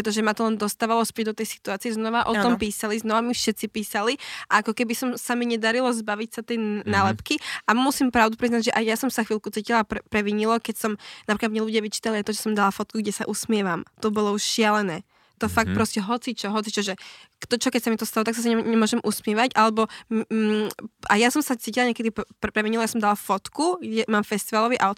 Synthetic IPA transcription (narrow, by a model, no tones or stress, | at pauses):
ɾɛt̪̬ɔʒɛmat̪ɔlɛnd̪ɔst̪aːʋalɔspɛɟ̚d̪ɔt̪ɛjsi̥t̪uaːt͡siɛznɔʋaʔɔt̪ɔmpiːsaliznɔʋamifʃɛt̪t͡sipiːsaliʔaakɔkɛbisɔmsamiɲɛd̪aɾilɔzbaʋicsat̪ɛjnalɛpkiʔamusiːmpɾaʊd̪upɾiznaɟʒɛʔajjasɔmsaxʋiːlkut͡siːcilapɾɛpɾɛʋiɲilɔkɛcsɔmnapɾiklad̪mɲɛluɟɪaʋit͡ʃi̥ːt̪aliajt̪ɔʒɛsɔmd̪alafɔt̪̚kuɡɟɛsaʔusmɪɛʋamt̪ɔbɔlɔuʃʃɪalɛnɛː | t̪ɔfak̚t̪̚pɾɔscɛɦɔt͡sit͡ʃɔɦɔt͡sit͡ʃɔʒɛkt̪ɔt͡ʃɔkɛcsamit̪ɔst̪alɔt̪aks̬as̬aɲɲɛmʊɔʒɛmʔusmɪɛʋaɟʔalɛbɔm | ajasɔmsat͡siːcilaɲɛkɛd̪ippɾɛʋiɲilɔjasɔmd̪alafɔt̪kuɡɟɛmaːmfɛst̪iʋalɔʋiʔaʊt̪